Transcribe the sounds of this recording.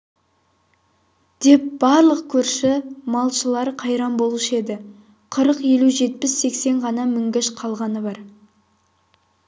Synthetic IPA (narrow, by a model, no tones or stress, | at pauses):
d̪̥e̞p̚b̥ɑɾlˠəq̚kʲʰɵɾʃɪmɑlˠʃəlˠɑɾqʰɑjɾɑmbo̞lˠʃe̞d̪ɪ | qʰəɾəqje̞luʒe̞t̪̚pɪsːe̞kse̞ɴʁɑnɑmɪŋɡʲɪʃqʰɑlˠʁɑnəbɑɾ